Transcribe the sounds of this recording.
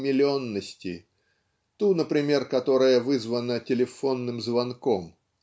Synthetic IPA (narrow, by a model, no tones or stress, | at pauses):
mʲɪlʲɪonːəsʲtʲɪ | t̪unəpɾʲɪmʲe̞rkɐt̪o̞ɾəjəvɨzvənətʲɪlʲɪfo̞nːɨmzvɐnko̞m